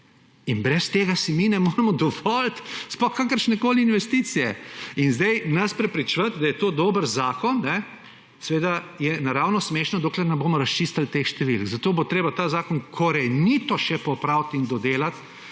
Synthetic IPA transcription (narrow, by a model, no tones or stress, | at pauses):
inbɾɛst̪eɡasiminɛmoːɾɛmɔd̪ɔʋɔlt̪spɔxkakəɾʃnɛkoːliinʋɛst̪it̪sijɛinzd̪ɛjnɐspɾɛpɾit͡ʃʋɐt̪d̪ajɛt̪oːd̪oːbəɾzaːkɔnːɛ | sɛʋeːd̪ajɛnaɾaːwnɔsmeʃnɔd̪oːklɛɾnɛmboːmɔɾɐst͡ʃist̪alt̪exʃt̪ɛʋḭlkzat̪oːbot̪ɾeːbat̪aːzaːkɔnkʰɔɾɛnit̪ɔʃɛpɔpɾawt̪ind̪ɔd̪eːlat̪